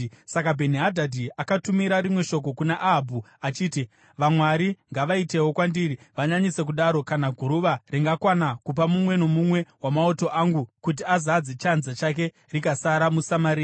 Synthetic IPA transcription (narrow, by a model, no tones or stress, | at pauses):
sakabʱe̞niɦadʱadʱiakatumiɾaɾimwe̞ʃo̞k̬o̞kunaʔabʱuat͡ʃiːti | ʋamwaɾiŋɡaʋaite̞ɦwo̞kwandiːriʋaɲaɲise̞k̬uɗaɾo̞kanaɡʱuɾuʋariŋɡakwanakupamumwe̞no̞mumwe̞wamaoto̞ʔaŋɡukut̬iazad͡zet͡ʃanzat͡ʃak̬e̞ | rikasaɾamusamaɾiːa